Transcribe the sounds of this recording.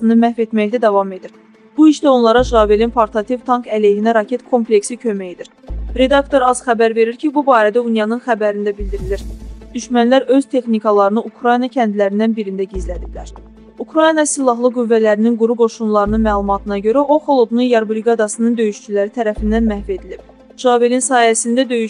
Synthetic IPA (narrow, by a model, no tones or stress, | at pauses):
sɯnɯmæhve̞t̪mæçd̪æd̪ɑvɑme̞d̪iɾ | b̥uiʃd̪æo̞nlˠɑɾɑʒʁɑːvelinpʰoɾt̪ʰɑt̪ʰivt̪ʰɑŋkælehinæɾɑcʰet̪kʰo̞mple̞ksicʰø̞mæjid̪iɾ | ɾe̞d̪ɑkt̪ʰo̞ɾɑzxæbæɾve̞ɾiɾcʰibubɑːɾæd̪æunjɑnɯnxæbæɾind̪æbild̪iɾiliɾd̪̥yʃmænlæɾø̞z̥t̪ʰe̞xnikɑlˠɑɾɯnɯʔukʰɾɑjnɑcʰænd̪ilæɾind̪ænbiɾind̪æɟizlæd̪iblæɾ | ukʰɾɑjinɑsilˠɑɦlˠɯɡuvːælæɾininɡuɾuɡo̞ʃunlˠɑɾɯnɯnmæːlˠumɑt̪ʰɯnɑɟø̞ɾæʔo̞xo̞lˠob̪ununjɑɾbɾiɡɑd̪ɑsɯnɯnd̪ø̞jyʃt͡ʃylæɾit̪ʰæɾæfind̪ænmæhvie̞d̪ilib̥̚ | ʒ̥ɑːvelinsɑːjæsind̪æd̪ø̞jy